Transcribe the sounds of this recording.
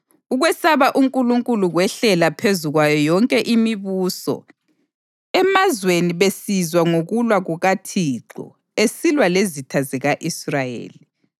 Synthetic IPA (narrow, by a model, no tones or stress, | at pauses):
uɣwɛsaβaʔuŋkʼuluŋkʼuluɣwɛɬɛlapʰezuɣwajɔjɔŋkʼɛʔimiβuːsɔ̰ | ɛmazweniβesizwaŋoɣulwaɣuɣatʰiǁɔ̰ | esilwalezitʰazɛɣaʔisrajḛːli